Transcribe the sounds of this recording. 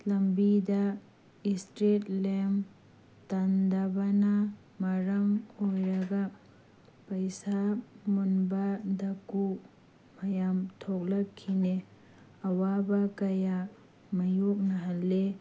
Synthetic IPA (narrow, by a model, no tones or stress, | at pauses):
lɐmbidɐ | istɾetlem | tandɐbɐnɐ | mɐɾɐmojɾɐɡɐ | pɐjsamunbɐdɐku | mɐjamtʰok̚lɐkʰːine | ɐwabɐkɐja | mɐjok̚nɐɦɐlːe